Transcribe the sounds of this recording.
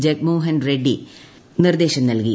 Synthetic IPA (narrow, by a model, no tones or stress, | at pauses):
d͡ʑek̚muːɦɐnɾeɖːi | nird̪eːɕɐmnɐlki